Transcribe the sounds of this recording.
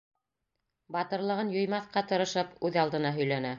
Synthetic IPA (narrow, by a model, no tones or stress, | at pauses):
bɑt̪ɤ̆ɾlˠɤ̆ʁɤnjŏjmɑθqɑt̪ɤ̆ɾɤ̆ʃɤpʉðɑlˠd̪ɤ̆nɑɦɵ̆jlænæ